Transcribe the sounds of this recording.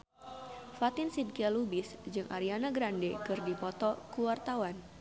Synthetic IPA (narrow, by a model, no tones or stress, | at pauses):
fat̪ɪnsidkialubɪsd͡ʒɨŋʔa̰ɾianaɡɾandekɨrdipɔt̪ɔkuwart̪awan